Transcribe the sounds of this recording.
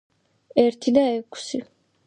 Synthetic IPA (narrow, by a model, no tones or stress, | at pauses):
ɛɾt̪ʰid̪aɛkʰsi